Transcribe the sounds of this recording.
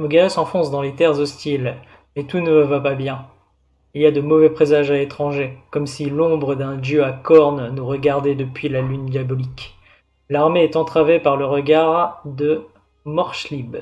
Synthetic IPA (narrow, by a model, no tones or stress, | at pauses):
mɔɡaɔsɑ̃fɔ̃sd̪ɑ̃let̪ɛʁzɔst̪il | mɛt̪unəvvapabjɛ̃ | iliad̪əmɔvɛpχezaʒaet̪χɑ̃ʒekɔmsilɔ̃bʁəd̪ɛ̃d̪jøakɔʁnnuʁəɡaʁd̪ɛd̪əpɥilalynd̪jabɔlik | laʁmeɛt̪ɑ̃t̪χavepaʁləʁəɡaʁd̪ə | mɔʁʃlib